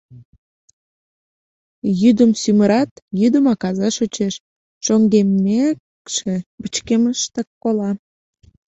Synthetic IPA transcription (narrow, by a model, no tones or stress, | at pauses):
jyd̪əmsyməɾɑt̪jyd̪əmɑkɑzɑʃot͡ɕeʃ | ʃoŋɡemːek | ʃebət͡ɕkeməʃt̪ekːolɑ